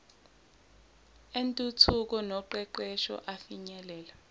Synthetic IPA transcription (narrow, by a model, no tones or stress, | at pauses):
entʼutʰuk̬ɔnɔǃɛǃɛʃɔ̰ʔafiɲɛlɛːla